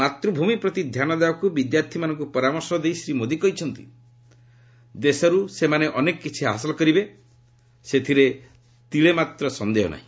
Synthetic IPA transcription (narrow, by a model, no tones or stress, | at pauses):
at̪ɾubʱumipɾɔt̪id̪ʱjanɔd̪ebakubid̪jaɾt̪ʰimanɔŋkupɔɾamɔɾsɔd̪ejsɾimod̪ikɔɦit͡ʃʰɔnt̪i̥̰ | d̪esɔɾusemaneʔɔnekɔkit͡ʃʰiɦa̰sɔlɔkɔɾibe | set̪ʰiɾe | t̪iɭemat̪ɾɔsɔnd̪eɦɔ̰na̰ɦĩ